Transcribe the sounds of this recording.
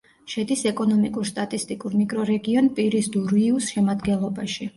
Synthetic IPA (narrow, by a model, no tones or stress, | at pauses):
ʃɛd̪isɛkʼɔnɔmikʼuɾst̪ʼat̪ʼist̪ʼikʼuɾmikʼɾɔɾɛɡiɔnpʼiɾisd̪uɾiusʃɛmad̪ɡɛnlˠɔbaʃi